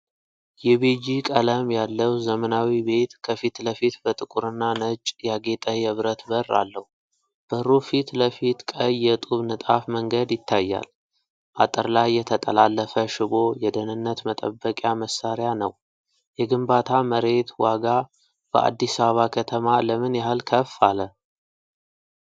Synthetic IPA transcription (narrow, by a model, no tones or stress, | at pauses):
jɛβed͡ʒikʼələmjalːəwzəmənawibe̞t̪kʰəfit̪ləfit̪bət̪ʼɨkʼuɾɨnːanət͡ʃʼjaɡe̞t̪ʼəjɛβɾət̪bərːa̰lːəhu | b̥əɾufit̪ləfit̪kʼəjːɛt̪ʼuβnɨt̪ʼafməŋɡəd̪jɪt̪ʰːajːa̰l | ʔat̪ʼəɾlajːɛt̪ʰət̪ʼəlalːəfəʃɪβo̞jɛd̪ənɨnːət̪mət̪ʼə̰bːəkʼjaməsːaɾjanəw | jɛɡɨmbat̪ʰaməɾe̞t̪waɡa | b̥ə̰ʔa̰d̪ːisaββakʰət̪ʰəmaləmɨnjaɦɨlkʰəfːalə